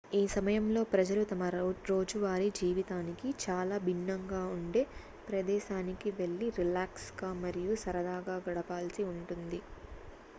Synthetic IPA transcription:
iːsɐmɐjɐmlo̞ːpɾɐd͡ʒɐlut̪ɐmɐɾo̞ːd͡ʒuʋaːɾid͡ʒiːʋit̪aːnikit͡ʃaːlaːbʱinːɐŋɡaːuɳɖe̞ː | pɾɐd̪ɛːʃaːnikiʋe̞ɭːiɾilaːksɡaːmɐɾijusɐɾɐd̪aːɡaːɡɐɽɐpaːlsiuɳʈund̪i

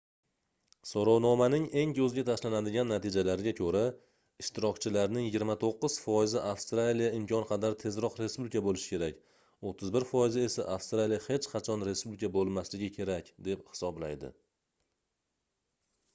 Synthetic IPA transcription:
sɒɾɒwnɒmanɪŋe̞ŋkʰɵzɡʲat̪ʰaʃlanad̪ɪɡʲanːat̪ʰɪd͡ʒalaɾɪɡʲakʲʰɵɾa | ɪʃt̪ɪɾɒkʲt͡ʃʰɪlaɾnɪŋjɪɡʲɪɾmat̪ʰoqːɨz̥fɒjɪzɪʔafst̪ɾalijaɪmkʲʰɒnqʰɑd̪aɾt̪ʰe̞zɾɒqɾe̞spublɪkʰabolɪʃɪ̥kʲʰe̞ɾakʲ | ot̪ʰːɪzbɪɾfɒjɪzɪe̞saʔafst̪ɾalijahe̞t͡ʃqʰɑt͡ʃʰɒnɾe̞spublɪkʰabolˠmaslɪɡʲɪkʲʰe̞ɾakʲd̪e̞phɪ̥sɒblajd̪ɪ̰

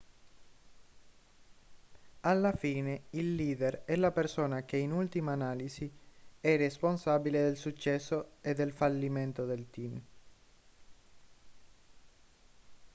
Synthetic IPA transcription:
alːafiːneilːiːd̪erɛlapersoːnak̟einult̪imaːnaːlisiɛɾesponsabiled̪elsut͡ʃːɛsːoed̪ːelfalːiment̪od̪elt̪im

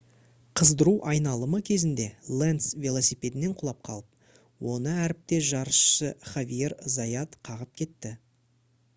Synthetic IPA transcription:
qʰəzd̪əɾuʔɑjnɑlˠəməkʲʰe̞zɪnd̪e̞lˠensvʲelˠosipʲe̞d̪ɪne̞ɴqʰʊlˠɑp̚qʰɑlˠəp̚ | wʔo̞nəæɾɪp̚t̪e̞ʒɑɾəʃʃəχavʲijeɾzɑjɑt̪qʰɑʁəp̚kʲʰe̞t̪ːɪ

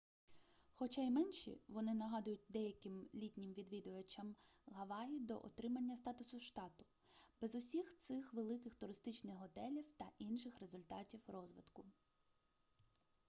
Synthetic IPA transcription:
xɔt͡ʃɑjmɛnʲʃḭʋɔnɪnɐɦɑd̪ʊjʊt̚ʲd̪ɛjɐkɪmlʲitʲnʲɪmʋʲid̪ʋʲid̪ʊʋɐt͡ʃɐmɦɐʋɑjid̪ɔ̰ʔɔ̰t̪ɾɪmɐnʲːɐst̪ɑt̪ʊsʊʃt̪ɑt̪ʊ̥ | b̥ɛzʊsʲixt̪sɪxʋelˠɪkɪxt̪ʊɾɪst̪ɪt͡ʃnɪxɦɔt̪ɛlʲiwt̪ɐʔinʃɪxɾe̞zʊlʲt̪ɑ̰tʲiwrɔzʋɪd̪kʊ

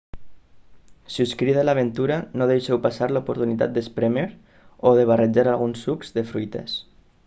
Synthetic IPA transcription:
siuskɾiðalaβ̞ent̪uɾanoðejʃɛwpasaɾlaupuɾt̪unit̪a̰t̪̚d̪espɾemeɾ | oðeβ̞ared͡ʒaɾalˠɣunsːukz̥d̪efɾujt̪ḛs

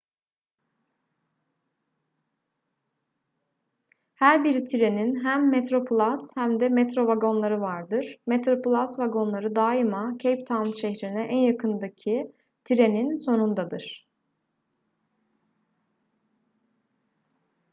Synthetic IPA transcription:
hæɾbiɾit̪ʰiɾe̞ninɦæmːet̪ɾo̞pʰulˠashæmd̪ɛmɛt̪ɾo̞vaɡo̞nlˠaɾɯvaɾd̪ɯɾ̥met̪ɾo̞pʰulˠasvaɡo̞nlˠaɾɯd̪aːimacʰejp̚t̪ʰanʃɛçɾinɛʔænjakʰɯnd̪acʰi | t̪ʰiɾe̞ninso̞nund̪ad̪ɯɾ̥

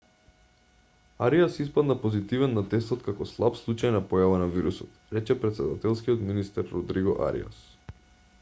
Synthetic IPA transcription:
aɾiasispad̪napozit̪ivɛnːat̪ɛst̪ɔt̪kakɔslˠapslˠut͡ʃajnapɔjavanaviɾusɔt̪ɾɛt͡ʃɛpɾɛt̪sɛd̪at̪ɛlˠskiɔt̪minist̪ɛɾːɔd̪ɾiɡɔ̰ʔa̰ɾḭa̰s

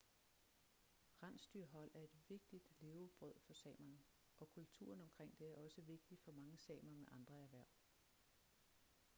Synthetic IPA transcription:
ʁɑn̰sd̥yɐɦɒ̽l̰æɐe̝d̥ʋe̝ɡ̥̚d̥id̥le̝ːʊb̥ʁœð̞̰ˠfɒ̽sɛ̰ːmɐn | ʔɒ̽kʰult͡sʰṵːɐn̩ɒ̽mkʰʁeŋ̰d̥e̝æɐɒ̽səʋe̝ɡ̥̚d̥i̥fɒ̽mɑ̈ŋəsɛ̰ːmɐmeʔɑ̈nd̥ʁɐæɐʋæɐ̰

